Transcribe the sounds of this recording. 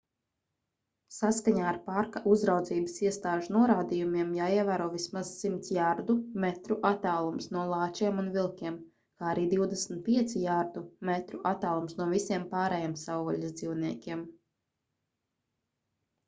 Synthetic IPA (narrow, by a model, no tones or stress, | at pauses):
saskaɲaːɾpaɾkaʔuzɾawd̪ziːbəsiɛst̪aːʒunuɔɾaːd̪ijumiɛmjaːiɛvæːɾuɔvismaz̥simt̪sjaɾd̪umɛt̪ɾuʔat̪aːlˠumsnuɔlˠɑːt͡ʃiɛmunvilˠkʲiɛm | kaːaɾiːd̪iwd̪ɛsmn̩t̪̚pʲiɛt̪sijaɾd̪umɛt̪ɾuʔat̪ːaːlˠumsnuɔvisʲiɛmpaːɾɛjɛmsawvɔʎʲizd̪ziwniɛkʲiɛm